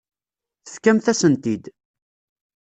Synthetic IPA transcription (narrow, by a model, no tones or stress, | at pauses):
θə̥fkæmθæsənt̪id̪